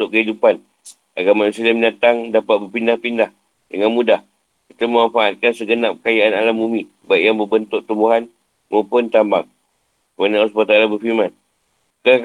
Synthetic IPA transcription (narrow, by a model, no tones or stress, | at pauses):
t̪ʊʔkəɦidupan | ʔaɡamansilamənat̪aŋdapat̪̚bərpindahpindah | dəŋanmudah | kit̪aməmafaʔat̪̚kansəɡənap̚kajaʔanalambumĩ | baʔjaŋbəbənt̪ʊʔ̚t̪umbuɦan | maupʊnt̪ambaŋ | kəmanausupat̪aalabəfirmãn | kəak